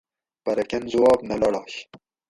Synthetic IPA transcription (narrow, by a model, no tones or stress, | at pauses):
pɐɾɐkʲɐnzʊwɑːbnɐlɐɽɑːɕ